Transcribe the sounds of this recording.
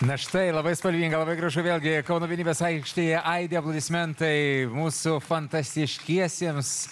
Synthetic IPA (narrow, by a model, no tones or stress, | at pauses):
nɐʃt̪ɐɪlˠɐbɐɪspɐlʲʋʲiːŋɡɐlˠɐbɐɪɡɾɐʒʊʋʲeːlʲɡʲɪkɐʊnoːʋʲɛnʲiːbʲeːsɐɪkʃʲt̪ʲeːjɛʔɐɪd̪ʲeɛplˠɐd̪ʲɪsʲmʲɛnt̪ɐɪmuːsʊfɐnt̪ɐsʲt̪ʲɪʃʲkʲiɛsʲiːms